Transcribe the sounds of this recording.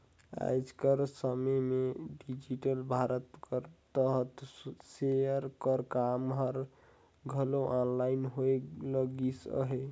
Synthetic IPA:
a̰jd͡ʒkəɾsəməmeɖid͡ʒiʈəlbʱaɾət̪kəɾt̪əɦət̪sejəɾkəɾkamɦəɾ | ɡʱəloʔɔnlainɦoeləɡisə̰ɦe

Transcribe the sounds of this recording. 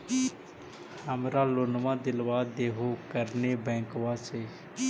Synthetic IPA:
hhəmɾaːloːnʋãd̪ɪlʋaːeːɦokəɾnebɛ̃ːŋkʋaːseː

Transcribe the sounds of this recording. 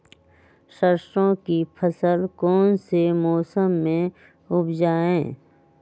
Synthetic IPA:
ʃəɾʃõkipʰəsəlkɔːnsemɔːsəmːẽ | ʊbd͡ʒaːẽː

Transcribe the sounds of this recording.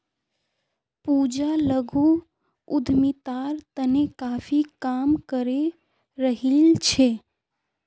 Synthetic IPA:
pud͡ʒaləɡʱu | ʊd̪ʱmit̪aɾt̪ənekaːfʰikamkəɾe | ɾəɦilt͡ʃʰe

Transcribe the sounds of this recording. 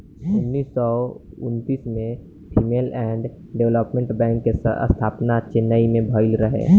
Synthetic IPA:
ʊnːiːsːɔ | ʊnt̪iːsmẽ | pʰiːmeːlɛːɖ | ɖewləpmẽɳʈbɛ̃ːŋkːḛə̰st̪ʰaːpnat͡ʃenaimẽbʱɔɪlɾəɦḛː

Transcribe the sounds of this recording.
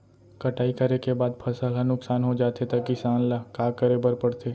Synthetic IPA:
kɐʈaːikɐɾekebaːd̪pʰɐsəlɦɐnʊksaːnɦod͡ʒaːt̪et̪akisaːnlaːkaːkəɾebɐɾpɐɽt̪ʰeː

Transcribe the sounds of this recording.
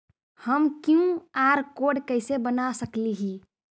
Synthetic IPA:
həmkjũaɾkoɖkəɪsebənasəkliɦi

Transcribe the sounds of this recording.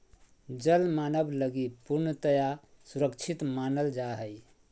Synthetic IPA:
d͡ʒəlmanəbləɡipuɾnət̪əja | suɾəkt͡ʃʰit̪manəld͡ʒaɦəj

